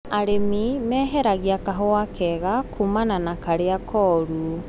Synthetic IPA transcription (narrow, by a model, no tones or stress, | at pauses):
aɾemimɛːɦɛɾaɣiakaɦɔwakʰɛɣakʰumananakaɾeakʰɔːɾu